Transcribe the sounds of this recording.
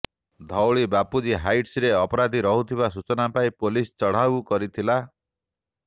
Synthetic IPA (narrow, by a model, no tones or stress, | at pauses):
d̪ʱɔwɭibapud͡ʒiɦajʈsɾeɔpɔɾad̪ʱiɾɔɦut̪ʰibasut͡ʃɔnapaipolist͡ʃɔɽ̤abukɔɾit̪ʰila